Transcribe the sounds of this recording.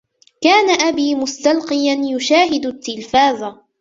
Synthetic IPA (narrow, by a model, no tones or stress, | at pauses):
kaːnaʔabiːmʊst̪alqɨjanjʊʃaːɦɪd̪ʊt̪ːɪlfaːzˤa